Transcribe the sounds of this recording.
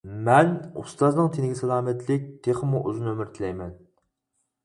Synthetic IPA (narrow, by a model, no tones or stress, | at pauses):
mɛnṵst̪ɑznɨŋt̪ʰenɪɡʲisɛlˠɑːmɛt̪ʰlɪk̚ʲt̪ʰeχəmuʔøzɨnømɪɾt̪ʰɪlɛjmɛn